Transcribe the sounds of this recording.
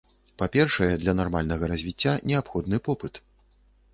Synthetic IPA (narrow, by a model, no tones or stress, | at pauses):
papʲɛrʂɐjɛd̪lʲɐnarmalʲnɐɣɐɾazʲvʲit͡sʲːanʲɛapxɔd̪nɨpɔpɨt̪